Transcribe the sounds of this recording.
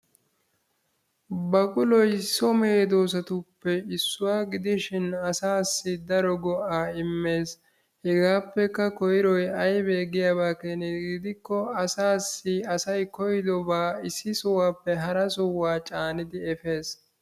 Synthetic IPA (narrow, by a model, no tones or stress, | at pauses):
bɐkʼʊlɔjsɔme̞ːd̪oːsɐt̪ʊpːɛɪsːʊwaːɡɪd̪ɪʃɪnɐsaːsːɪd̪ɐɾɔɡɔʔaːɪmːe̞ːs | hɛɡaːpːɛkːɐkɔjɪɾɔjɐjbe̞ːɡɪjaːbaːkenɪɡɪd̪ɪkːɔɐsaːsːɪɐsɐjkɔjɪd̪ɔbaːɪsːɪsɔwaːpːɛɦɐɾɐsɔwːaːt͡ʃʼaːnɪd̪ɪɛfe̞ːs